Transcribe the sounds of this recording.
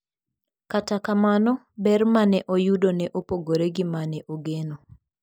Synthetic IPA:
katakamanɔ | bɛrmanɛʔojudonɛʔopoɡoɾeɡimanɛʔoɡeno

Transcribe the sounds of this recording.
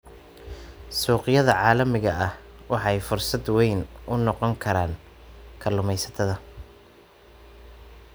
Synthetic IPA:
suːqɪjɐðɐʕɑːlɐmɪɣɐʔɐhwɑħɑɛjfʊrsɐd̪wɛjnʔʊnɔqɔŋkʰɐɾaːn | kʰɐlːʊmɛjsɐ̥t̪ʰɐðɐ

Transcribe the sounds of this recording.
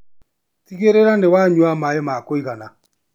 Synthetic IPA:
tiɣeɾeɾandewaɲwamaemakoiɣana

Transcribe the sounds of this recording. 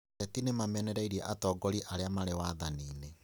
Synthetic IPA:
ɛtinemamɛnɛɾɛiɾiɛʔatɔːɡɔɾiʔaɾeamaɾewaðaniːne

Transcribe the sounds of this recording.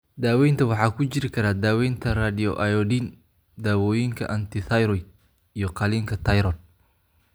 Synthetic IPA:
d̪aːwɛjnt̪ʰɐwɑħɑːkʰʊt͡ʃɪɾɪkʰɐɾaːd̪aːwɛjnt̪ʰɐraːd̪ɪjɔʔɐjɔdin | d̪aːwɔːjɪŋkʰɐ̰ʔɐnt̪ʰɪt̪ɐjɾɔj | ijɔqɑliŋkʰɐt̪ʰɐjɾɔn

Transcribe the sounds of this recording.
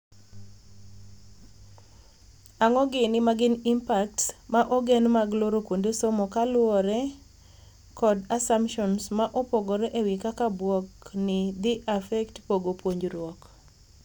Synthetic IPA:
aŋɔɡɪnɪmaɡɪnimpaktsmaʔɔɡenmaɡloɾokwondesomɔkalwɔɾɛ | kɔdasampʃɔnsmaʔɔpoɡɔɾɛʔewikakabwɔknɪd̪ɪʔafɛktpoɡopwoɲd͡ʒɾwɔk

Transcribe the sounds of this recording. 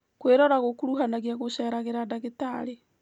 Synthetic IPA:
kweɾɔɾaɣokuɾuɦanaɣiaɣoʃɛɾaɣeɾadaɣetaɾe

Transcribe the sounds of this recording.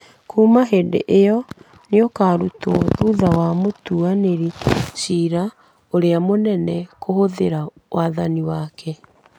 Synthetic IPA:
kʰuːmaɦedḛʔejɔ | neɔkaːɾutɔðuðawamotuaneɾiʃiːɾa | oɾeamonɛnɛkohoðeɾa | waːðaniwaːkʰɛ

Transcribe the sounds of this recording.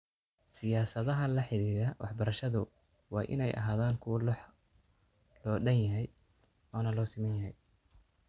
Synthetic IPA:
sɪjaːsɐðɐɦɐlɐħɪliːðɐwɑ̰ħbɐɾɐʃɐðʊ | wɑ̰ːʔɪ̰nɛjʔɐ̰ɦaːðaːŋkʰʊwlɑħ | lɔːɖɐnjɐɦɛj | ʔɔːnɐlɔːsɪmɛːnjɐɦɛj

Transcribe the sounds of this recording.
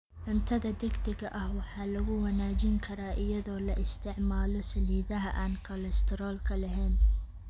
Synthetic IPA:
ʕʊmt̪ʰɐðɐd̪ɐɡd̪ɪɡɐʔɐhwɑħɑːlɐɣʊwɐnaːd͡ʒɪŋkʰɐɾaːʔɪjɐðɔːlɐʔɪst̪ʰɪʕmaːlɔsɐliːðɐɦɐʔaːnkʰɔlɛst̪ʰɪɾɔːlkʰɐlɐɦɛːn

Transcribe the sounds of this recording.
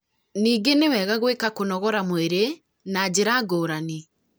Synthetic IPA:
niːɡenewɛɣaɣwekakonɔɣɔɾamoeɾe | nad͡ʑeɾaːɡoːɾani

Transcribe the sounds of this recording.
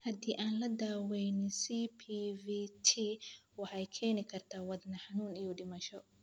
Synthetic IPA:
hɐd̪iːʔaːnlɐd̪aːwɛjnɪsipʰiviːt̪ʰi | wɑħɑjkʰɛːnɪkʰɐrt̪ʰaːwɐd̪nɐħɑnuːnijɔɖɪmɐʃɔ

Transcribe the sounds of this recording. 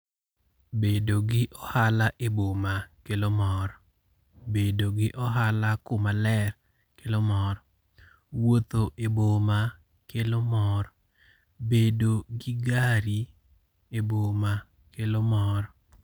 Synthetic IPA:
bedoɡɪʔɔhalaʔebomakelomɔɾ | bedoɡɪʔɔɦalakʊmalɛr | kelomɔɾɔ | wot̪oʔeboma | kelomɔɾ | bedoɡɪɡaɾi | eboma | kelomɔɾ

